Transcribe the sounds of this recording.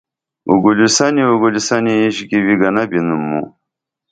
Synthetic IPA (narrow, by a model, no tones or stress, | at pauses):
ṵɡulusaniuɡulisaniːʑɡiwiɡɐnabinumːṵ